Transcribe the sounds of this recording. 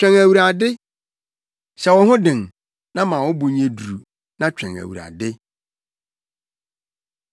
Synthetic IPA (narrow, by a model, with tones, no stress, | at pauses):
t͡ɕᶣɛ̃˨ŋæ˨wu˨ɾa˨dɪ˦ | ɕɛ˨wɔ̃˨˦hʊ̃˦dɪ̃˨ŋ | nã˦mã˨wʊ˦bu˨ɲ˦ẽ˦du˨ɾu˨ | nã˦t͡ɕᶣɛ̰̃˨ŋæ̰˨wṵ˨ɾa̰˨dɪ˦